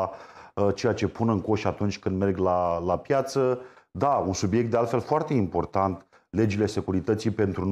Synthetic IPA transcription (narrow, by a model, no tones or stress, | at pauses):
t͡ʃe̞jat͡ʃe̞punɨŋko̞ʃʲat̪unt͡ʃʲkɨnd̪me̞rɡlalapjat̪səd̪aunsubije̞k̚t̪d̪ealt̪fe̞lfoart̪e̞impo̞rt̪ant̪ | le̞d͡ʒile̞se̞kuɾit̪ət̪sipe̞nt̪ɾun